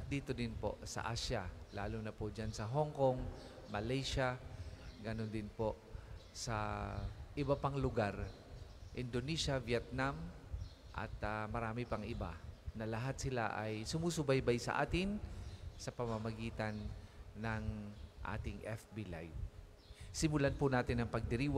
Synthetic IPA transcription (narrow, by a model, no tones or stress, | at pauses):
ʔɐt̪̚d̪iːt̪od̪ɪnpo̰ʔsɐ̰ʔaːʃalaːlʊnɐpʊd͡ʒansɐɦoŋkoŋ | mɐlajʃa | ɡɐnond̪ɪnpoʔsɐ | ʔɪbɐpaŋlʊɡaɾ | ʔɪnd̪oniːʃavjɛt̪̚nam | ʔɐ̰t̪amɐɾaːmɪpɐŋʔɪba̰nɐlɐɦat̪̚sɪla̰ʔajsʊmusʊbajbajsɐ̰ʔa̰ːt̪ɪnsɐpɐmamɐɡiːt̪ɐnːɐŋʔa̰ːt̪ɪŋʔɛfbila̰j | sɪmʊlanpʊnaːt̪ɪnɐŋpɐɡ̚d̪ɪɾiːwa